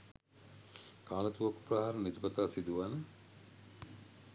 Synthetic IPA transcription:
kaːnɐt̪uʋɐku̥prɐɦaːɾənit̪ipɐt̪aːsid̪uʋanə

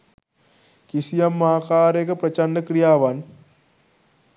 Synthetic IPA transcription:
kisijɐmːaːkaːɾekɐpɾɐt͡ʃanːɐkɾijaːʋaːn

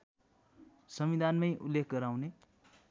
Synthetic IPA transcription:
sʌmid̪ʱanmʌjʔulːekʰɡʌɾawne

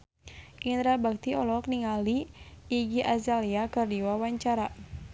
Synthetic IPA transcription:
ʔind̪ɾabak̚t̪iɔlɔkniŋaliː | ɡiʔazaliakɨrdiwawaɲt͡ʃaɾa

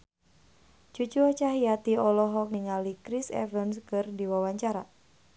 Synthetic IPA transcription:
d͡ʒ̥ud͡ʒuɔt͡ʃaɦijat̪iɔlɔɦɔk̚niŋalikɾisɛ̰vənskɨrdiwawaɲt͡ʃaɾa

